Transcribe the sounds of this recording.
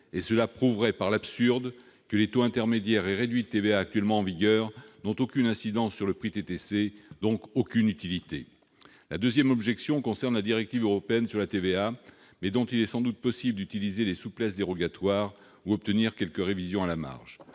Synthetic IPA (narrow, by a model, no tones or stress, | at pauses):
esəlapχuvʁɛpaʁlapsyʁd̪ | kəlet̪oɛ̃t̪ɛʁmed̪jɛʁɛʁed̪ɥid̪ət̪eveaːk̚t̪ɥɛlmɑ̃ɑ̃viɡœʁnɔ̃t̪okʲynɛ̃sid̪ɑ̃sːyʁləpχit̪et̪esed̪ɔ̃kokʲynyt̪ilit̪e | lad̪øzjɛmɔbʒɛksjɔ̃kɔ̃sɛʁnlad̪iʁɛk̚t̪ivøʁɔpeɛnsyʁlat̪evea | mɛd̪ɔ̃t̪ilɛsɑ̃d̪ut̪̚pɔsibld̪yt̪ilizelesuplɛs̬d̪eʁɔɡat̪waːʁ | uɔp̚t̪əniʁkʲɛlkəʁevizjɔ̃alama̰ʁʒ